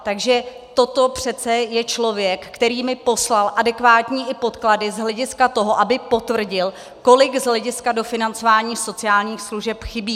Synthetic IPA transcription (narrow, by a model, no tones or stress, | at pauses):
t̪aɡʒɛ | t̪o̞t̪o̞pr̝̥ɛt̪t͡sɛjɛt͡ʃlo̞vjɛkːt̪ɛɾiːmɪpo̞slalʔadɛkvaːt̪ɲiːʔɪpo̞t̪kladɪzɦlɛɟɪskat̪o̞ɦo̞ʔabɪpo̞t̪vr̩ɟɪl | ko̞lɪɡzɦlɛɟɪskado̞fɪnant͡so̞vaːɲiːso̞t͡sɪaːlɲiːxsluʒɛpxɪbiː